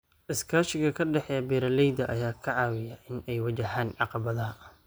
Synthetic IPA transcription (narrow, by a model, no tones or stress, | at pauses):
ʔɪskʰaːʃɪɣɐkʰɐɖɛħɛjɐbɛːɾɐlɛjd̪ɐʔɐjaːkʰɐʕɑːwɪjɐʔɪnɛjwɐt͡ʃɐɦaːnʕɑqɑβɐðɐɦɐ